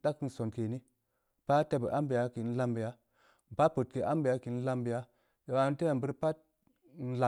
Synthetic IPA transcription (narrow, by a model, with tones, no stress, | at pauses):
da˦kːi˦nso˨nke˨ni˦ | b̥a˦te˦bə̰˨ʔa˦mbi˨ja˨˦ki˨˦n̩˦la˦mbi˨ja˦ | ba˦pu˨t̚ke˨ʔa˦mbi˨ja˦ki˨n̩˦la˦mbi˨ja˦ | jo˨wa˨˦n˦te˦˨bə˦ɾpa˦t̚ | n̩˦la˨